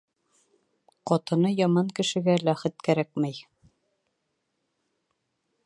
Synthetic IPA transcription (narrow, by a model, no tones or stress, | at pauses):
qɒt̪ɤ̆nɤjɒmɑŋkɘ̆ʃɘ̆ɡælæχɘt̪kæɾæk̚mæj